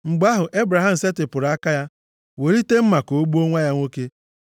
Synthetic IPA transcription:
ŋ͡m̩˨ɡ͡ba˦ɦʊ˨ʔe˦bɾa˨ɦa˦˨m̩˨se˦tɪ˨pʊ˨ɾa˦ka˦ja˦ | we˨ɾi˦te˦m̩˦ma˨ko˨o˦ɡ͡bu˦o˦ŋʷa˦ja˦ŋʷo˦ke˦

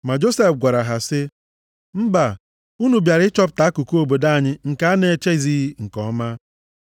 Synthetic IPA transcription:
ma˨d͡ʒo˦se˨fɡʷa˨ɾa˨ɦa˨sɪ˦ | m̩˦ba˨ | u˦nu˨bja˨ɾɪ˦t͡ʃɔ˦p̬̚ta˨˦ku˨ku˦o˨bo˨da˦a˨ɲɪ˦ŋ̩˨ka˦a˦ne˨e˨t͡ʃe˦zi˦i˦ŋ̩˨kɔ˦ma˦

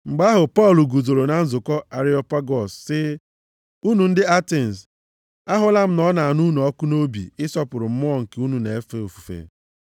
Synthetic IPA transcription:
ŋ͡m̩˨ɡ͡ba˦ɦʊ˨pɔ˦˨lu˨ɡu˨zo˨ɾo˨na˨n̩˦zʊ˨kɔ˦a˨ɾi˦ɔ˨pa˦ɡɔ˨sːɪ˦ | u˦nu˨n̩˦dɪ˦a˦te˨n˨s | a˦ɦʊ˦la˦m̩˦nɔ˦na˨nu˦nu˨ɔ˦kʊ˦no˦bḭ˨ɪ˦sɔ˦pʊ˨ɾʊ˨m̩˦mʊ˦ɔ˦˨ŋ̩˨ke˨˦u˦nu˨ne˨e˦fe˦˨o˨fu̥˨fḛ˨

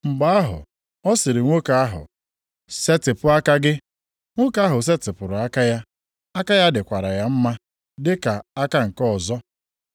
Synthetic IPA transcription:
ŋ͡m̩˨ɡ͡ba˦a˦ɦʊ̰˨ | ɔ˦sɪ˨ɾɪ˨ŋʷo˦ka˨a˦ɦʊ̰˨ | se˦tɪ˨pʊ˦a˦ka˦ɡɪ˦ | ŋʷo˦ka˦ɦʊ˨s̬e˦tɪ˨pʊ˨ɾʊ˨a˦ka˦ja˦ | a˦ka˦ja˦dɪ˨kʷa˨ɾa˨ja˦m̩˦ma˦ | dɪ˦ka˨a˦ka˦ŋ̩˨kɔ˦˨zɔ˦

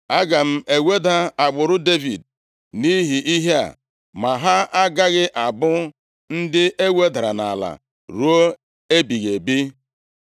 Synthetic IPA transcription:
a˦ɡa˨m̩˦e˨we˦da˦a˨ɡ͡bʊ˨ɾʊ˦de˦vi˨d̚ | ni˦ɦi˨ʔi˦ɦe˦a̰˨ | ma˨ɦa˦a˦ɡa˦ɣɪ˦ʔa˨bʊ˦ | n̩˦dɪ˦ʔe˦we˦da˨ɾa̰˨na̰˨la̰˨ | ɾu˦o˦ | e˦bi˨ɣe˨bi˦

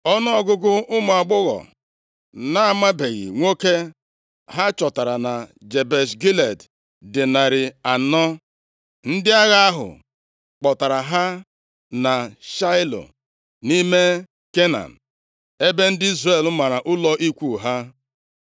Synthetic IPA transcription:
ɔ˦nʊ˦ɔ˦ɡʊ˦ɡʊ˦ʔʊ˦mʊ˨a˨ɡ͡bʊ˦ɣɔ̰˨ | na˦a˦˨ma˦be˨ɣḭ˨ŋʷo˦ke˦ | ɦa˦t͡ʃɔ˨ta˨ɾa˨na˨d͡ʒe˨be˨sɡi˦le˨d | dɪ˨na˨ɾɪ˨a˨nɔ˦ | n̩˦dɪ˦a˦ɣa˦a˦ɦʊ̰˨ | k͡pɔ˨ta˨ɾa˨ɦa˦ | na˨ʃa˦ɪ˦lo̰˨ | ni˦me˦ | ke˦na̰˨n̩˨ | e˦be˦n̩˦dɪ˦i˦zre˨l̩˦ma˨ɾa˨ʔʊ˦lɔ˦ʔi˦kʷu˦˨ɦa˦

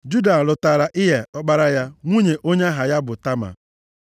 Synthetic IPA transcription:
d͡ʒu˦da˨lʊ˨ta˨ɾa˨ʔɪ˦ɦe˨ɔ˦k͡pa˦ɾa˦ja˦ŋʷu˦ɲe˨ʔo˦ɲe˦ɦa˨ja˦bʊ˨ta˦ma̰˨

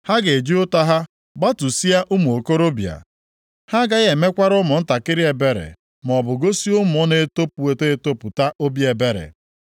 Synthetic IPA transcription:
ha˦ɡe˨d͡ʒi˦ʊ˦ta˦ɦa˦ | ɡ͡ba˦tu˨si˦a˦ʔʊ˦mu˨o˨ko˦ɾo˦bja̰˨ | ha˦ɡa˦ɣe˨me˦kʷa˦ɾʊ˦mʊ˨n̩˦ta˨kɪ˦ɾɪ˦e˨be˦ɾḛ˨ | m˨ɔ˨bʊ˨ɡo˦si˦ʊ˦m˨ʊ˦ne˦to˦pu˨we˨te˦e˦to˦pʊ˨ta˦ʔo˦bi˦e˨be˦ɾḛ˨

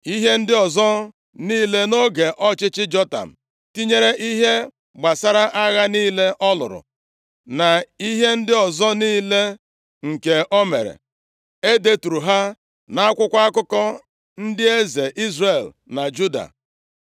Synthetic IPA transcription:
i˦ɦe˦n̩˦dɪ˦ɔ˨zɔ˦ | niː˦le˦no˦ɡe˨ʔɔ˦t͡ʃɪ˦t͡ʃɪ˦d͡ʒɔ˦ta̰˨m̩˨ | ti˦ɲe˦ɾe˦ʔi˦ɦe˦ | ɡ͡ba˨sa˦ɾa˦ʔa˦ɣa˦niː˦le˦ʔɔ˦lʊ̰˨ɾʊ̰˨ | na˨i˦ɦe˦n̩˦dɪ˦ɔ˨zɔ˦niː˦le˦ | ŋ̩˨ke˨ʔɔ˦mḛ˨ɾḛ˨ | e˦de˦tu˨ɾu˨ɦa˦ | na˦a˦kʷʊ˦kʷa˦a˦kʊ˦kɔ˦ | n̩˦dɪ˦e˦ze˨ʔi˦zre˨l | na˨d͡ʒu˦da̰˨

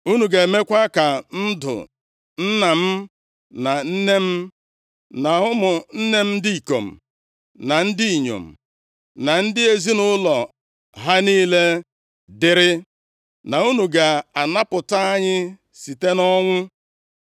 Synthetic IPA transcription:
u˦nu˨ɡe˨e˨me˦kʷa˦ka˨n̩˦dʊ̰˨ | n̩˦na˨m̩˦ | na˨n̩˦ne˦m̩˦ | na˨ɦʊ˦mʊ˨n̩˦ne˦m̩˦di˦i˨ko̰˨m̩˨ | na˨n̩˦dɪ˦i˨ɲo̰˨m̩˨ | na˨n̩˦dɪ˦e˨zi˦nʊ˦lɔ˨ | ɦa˦niː˦le˦ | dɪ˨ɾɪ˦ | na˨u˦nu˨ɡa˨a˨na˦pʊ˨ta˦ɲɪ˦ | si˨te˦nɔ˦ŋʷʊ˦

